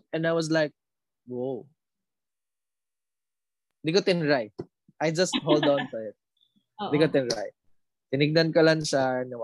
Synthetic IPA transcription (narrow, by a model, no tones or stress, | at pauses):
ʔɛ̃najwɔs̬lajk̚ | wow | d̪ɪɡkot̪ɪnɹaj | ʔajd͡ʒɐst̪̚ɦold̪awntɔɪt̪̚ | d̪ɪɡkot̪ɪnɾa̰j | t̪ɪnɪɡ̚nankɐlaŋʃanɐ